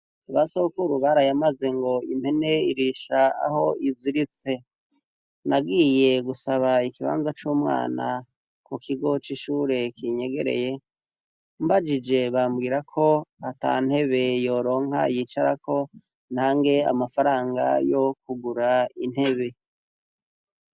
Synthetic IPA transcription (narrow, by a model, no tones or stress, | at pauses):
aβasoβokuɾuβaɾajamaze̞ŋɡo̞imhe̞ne̞iɾiʃaa̰ho̞iziɾit͡se̞ | naɡije̞ɡusaβaikiβa̰ːnzat͡ʃuːmŋa̰ːna | kukʰiɡo̞t͡ʃiʃuːɾe̞kiɲe̞ɡe̞ɾe̞̰je | mbad͡ʒid͡ʒe̞βambɡiːɾakʰo̞ata̰n̥he̞βe̞jo̞ɾo̞ːŋ̥a̰jit͡ʃaɾakʰo̞ | n̥haːŋɡe̞a̰mafaɾaːŋɡa̰jokuɡuɾain̥he̞βe̞